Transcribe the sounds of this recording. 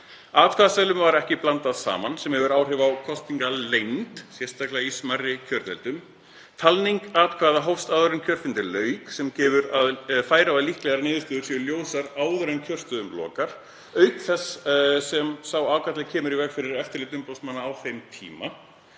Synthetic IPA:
aːkʰaðasɛlʏmvaɾɛhcɪplant̪aðsa̰ːmansɛmhɛvʏɾaːwr̥ɛvawkʰɔst̪iŋkalejnt̪sjɛr̥st̪aklɪaismarːɪcʰœɾt̪ɛ̰lt̪ʏm | t̪ʰalniŋkat̪kʰvaːðaɦowfst̪aðʏɾʏncʰœɾ̥fɪnt̪ɪlœːɥksɛmcɛːvʏɾaðfaːjɾaaðlihklɛɣaɾnɪːðʏst̪ʏːðʏ̥ɾsɛljoːwsaɾaːwðʏɾʏncʰœr̥st̪œðʏmlɔ̰ːkaɾ̥ | œɥkθɛssɛmsawaːwkat̪lɪcʰɛːmʏɾivɛxfɪɾɪɾɛft̪ɪɾlɪːt̪̬ʏmpowsmanːaːwθejmt̪ʰḭːma

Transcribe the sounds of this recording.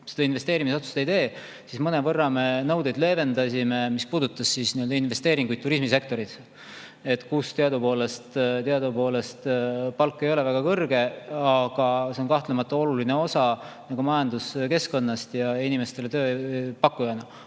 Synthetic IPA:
sed̪ɑinve̞st̪e̞ːɾimiso̞t̪su̥st̪eijt̪e̞ː | sismɤne̞vɤrːɑme̞nɤwd̪ed̪le̞ːve̞nd̪ɑsime̞mispuːd̪ut̪ːˑɑsːisnioø̞ld̪ɑinve̞st̪e̞ːɾiŋɡujd̪̚t̪ːuɾismise̞k̚t̪o̞ɾit̪ | et̪ːkuːst̪eɑd̪upo̞ːle̞st̪t̪eɑd̪upo̞ːle̞st̪pɑlkːe̞jo̞le̞væɡ̥ɑkɤrɡe̞ɑɡ̥ɑse̞onkɑht̪le̞mɑt̪ːˑɑo̞luline̞o̞sɑ | nɑɡ̥umɑjɑnd̪uske̞sko̞nːɑst̪jɑinime̞st̪e̞let̪ø̞ːpɑkːˑujɑnɑ

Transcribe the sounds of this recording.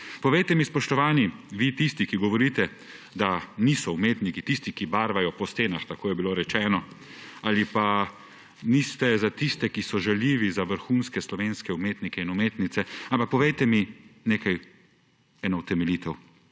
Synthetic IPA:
pɔʋɛjt̪ɛmispɔʃt̪ɔʋaːniʋit̪ist̪ikiɡɔʋɔɾiːt̪ɛ | d̪anisɔumeːt̪nikit̪ist̪ikibaːɾʋajɔpɔst̪eːnaxt̪akoːjɛbiloɾɛt͡ʃɛːnɔ | alipa | nist̪ɛzat̪ist̪ɛkisɔʒaljiːʋizaʋəɾxuːnskɛslɔʋeːnskɛumeːt̪nikɛinumeːt̪nit̪sɛampak̚pɔʋɛjt̪ɛmineːkaj | ɛːnɔut̪ɛmɛliːt̪ɛw

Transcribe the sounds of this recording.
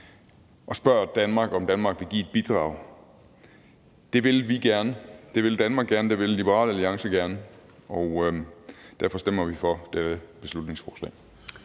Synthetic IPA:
ʔɒ̽sb̥ɶɐ̰d̥ænmɑ̈ɡ̥ɒ̽md̥ænmɑ̈ːɡ̥ʋe̝ɡḭːed̥̚b̥id̥ʁɑ̰̈ːʊ | d̥e̝ʋe̝lʋiɡ̥æɐnəd̥e̝ʋe̝ld̥ænmɑ̈ːɡ̥ɡ̥æɐnəd̥e̝ʋe̝llib̥əʁɑ̰̈ːləæliɑ̈ŋsəɡ̥æɐnəɒ̽ʊ | d̥æɐfɒ̽sd̥em̰ɐʋifɒ̽d̥ed̥əb̥e̝slud̥ne̝ŋsfɒːslɛ̰ː

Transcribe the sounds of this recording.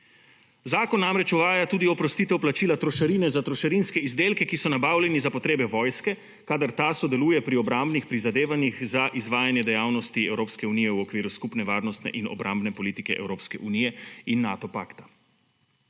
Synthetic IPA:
zaːkɔnːamɾɛt͡ʃɔʋaːjat̪uːd̪iɔpɾɔst̪it̪ɛwplat͡ʃiːlat̪ɾɔʃaɾiːnɛzat̪ɾɔʃaɾinskɛizd̪eːlkɛkisɔnabaːwlʲjɛnizapɔt̪ɾeːbɛʋɔːjskɛ | kaːd̪aɾt̪asɔd̪ɛluːjɛpɾiɔbɾambnixpɾizad̪eːʋanixzaʔizʋaːjanjɛd̪ɛjaːwnɔst̪iɛwɾoːpskɛuniːjɛuɔkʋiːɾuskupnɛʋaːɾnɔst̪nɛ̰ʔinɔ̰bɾʔambnɛpɔliːt̪ikɛʔɛ̰wɾoːpskɛʔunijɛinːaːt̪ɔpa̰ːkt̪ḁ

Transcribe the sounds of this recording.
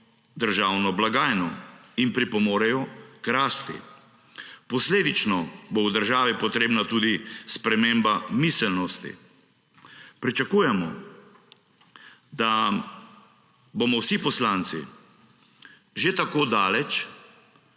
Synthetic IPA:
d̪əɾʒaːwnɔblaɡaːjnɔinpɾipɔmoːɾɛjɔkɾaːst̪ḭ | pɔsleːd̪it͡ʃnɔbowd̪əɾʒaːʋipɔt̪ɾeːbnat̪uːd̪ispɾɛmeːmbamisɛlnɔst̪ḭ | pɾit͡ʃakuːjɛmɔ̰ | d̪a | bomɔwsipɔslaːnt̪sḭ | ʒet̪akoːd̪aːlɛt͡ʃ

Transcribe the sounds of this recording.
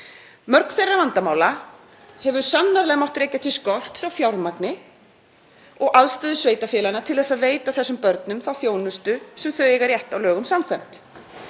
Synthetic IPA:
mœɾkn̥θejrːavant̪amaːwla | hɛvʏ̥sanːaɾlɛɣmawht̪ɾejcat̪ʰɪskɔl̥t̪sawfjawɾmaknɪ | ɔɣʔaðst̪œːðʏsveːjt̪afjɛːlanat̪ʰɪlθɛsːaðveːjt̪aθɛsːʏmpœɾt̪nʏmθawθjoːwnʏst̪ʏsɛmθœɥɛɣaɾrjɛht̪awlœːɣʏmsamkʰɛjm̥t̪

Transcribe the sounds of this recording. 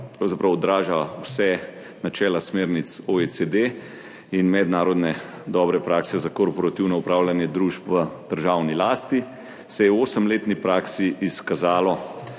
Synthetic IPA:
pɾawzapɾawɔd̪ɾaːʒawsɛ | nat͡ʃɛːlasmeːɾnit̪soesed̪e | inmɛd̪naːɾɔd̪nɛ | d̪ɔːbɾɛpɾaːksɛzakɔɾpɔɾat̪iwnɔupɾaːwlʲanjɛd̪ɾuʃpʋəd̪̥əɾʒaːwnilaːst̪i | sɛjɛwoːsəmleːt̪nipɾaːksiʔiskazaːlɔ

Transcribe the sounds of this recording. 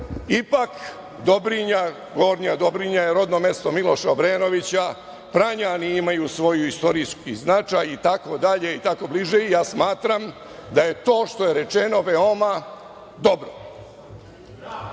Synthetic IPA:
ipak | d̪o̞bɾiɲa | ɡoɾɲad̪o̞bɾiɲajeɾo̞d̪no̞me̞st̪o̞milˠo̞ʃaobɾeno̞ʋit͡ɕa | pɾaɲaniimajusʋo̞juist̪o̞ɾiskiznat͡ʃajit̪ako̞d̪aʎe̞it̪ako̞bliʒe̞ijaːsmaːt̪ɾam | d̪aje̞t̪o̞ːʃt̪o̞je̞ɾe̞t͡ʃeno̞ʋeo̞ma | d̪o̞bɾo

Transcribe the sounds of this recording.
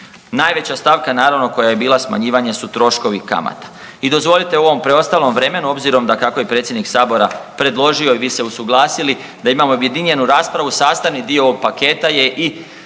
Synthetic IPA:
naːjʋe̞t͡ɕast̪aʋkanaːɾaʋno̞ko̞jaje̞biːlˠasma̰ɲiːʋaɲe̞sut̪ɾo̞ʃko̞ʋika̰ma̰t̪ḁ | id̪o̞zʋo̞lit̪e̞uo̞ʋo̞mpɾe̞o̞st̪aːlˠo̞mʋɾe̞me̞nuo̞bziɾo̞md̪akako̞je̞pɾet̪sjed̪niksaːbo̞ɾapɾe̞d̪lˠo̞ʒio̞iʋiːse̞usuɡlˠaːsili | d̪aimamooje̞d̪iɲe̞nuɾaːspɾaʋusaːst̪aʋnid̪iooɡ̚pake̞ːt̪aje̞ʔi

